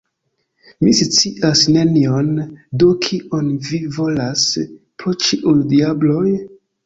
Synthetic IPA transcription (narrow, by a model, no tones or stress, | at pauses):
mist͡siʔasne̞niondokʰiʔonvivo̞las | pɾot͡ʃiʔujdiablo̞j